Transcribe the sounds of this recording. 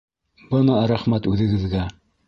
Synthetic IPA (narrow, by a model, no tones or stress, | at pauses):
bɤnɑɾæχmæt̪ʉðɘ̆ɡɘ̆ðɡæ